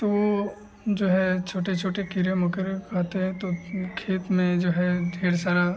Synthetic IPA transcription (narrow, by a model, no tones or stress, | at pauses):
t̪oo | d͡ʒoːɦɛt͡ʃʰoːʈet͡ʃʰoːʈekiɾẽmɔkəɾkaːt̪eɦɛ̃t̪okʰeːt̪mẽd͡ʒoːɦɛɖʱeːɽsaːɾa